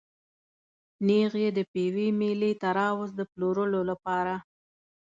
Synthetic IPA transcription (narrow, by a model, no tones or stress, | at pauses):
neɣjed̪əpewimelit̪aɾɑwʊzd̪əploɾəlolapɑɾa